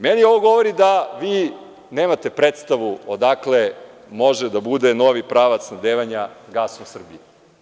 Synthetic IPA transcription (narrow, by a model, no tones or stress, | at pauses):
menio̞ʋoɡo̞ʋoɾid̪aʋiː | ne̞ːmat̪e̞pɾet̪st̪aʋuod̪akle̞ | mo̞ʒed̪abud̪e̞no̞ʋipɾaːʋat̪snad̪eːʋaɲaɡaːsomsr̩bie